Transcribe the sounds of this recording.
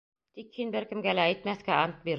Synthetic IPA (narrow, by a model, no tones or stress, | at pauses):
d̪̥ikhinbeɾkɪmɡælæet̪mæθkæɑnt̪̚biɾ